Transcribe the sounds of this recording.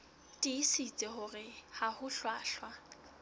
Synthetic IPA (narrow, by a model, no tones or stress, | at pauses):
tʼɪːsit͡sʼɪɦʊrɪhahʊɬwaːɬwa